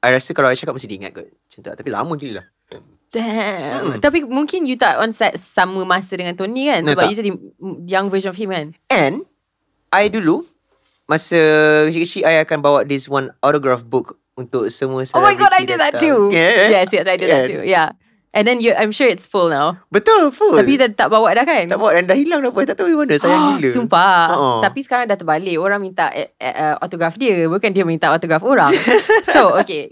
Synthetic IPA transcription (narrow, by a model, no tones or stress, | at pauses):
ajɾasəkalawajt͡ʃakat̚məstidiiŋa̰t̪̚ɡa̰t̚ | t͡ʃənt̪a̰ʔt̪apila̰məkililah | d̥ɛ | t̪apimũŋkɪ̃njut̪atɔ̃nsɛtsaməmasədəŋãnt̪onikãnsobaud͡ʒɛdijãŋvəʒə̃nɔfhĩmkãnɛ̃n | ʔajdulu | masəikət͡ʃiajakanbawat̪̚diswãnɔtɾoɡɹafbuk | unt̪ʊk̚səmũəsaomajɡɔdajdiðɛujɛjɛsjɛsajdiðɛtːṵja | ʔɛ̃ndɛ̃njuʔãjmʃuɹɪtsfulnawbət̪ɔfulapid̪ɛnt̪aʔbawat̪̚dahkanaʔbawaʔ̚ɛndahilaŋdapuat̪aʔt̪awiwanəsajailəumpaəʔot̪apisə̥kaɾaŋdaht̪əbaleoɾãŋmint̪aʔɛ̰ʔəɔ̰t̪oɡɹafdiəbəkandiəmĩnt̪aʔɔt̪oɡɾafoɹaŋsooke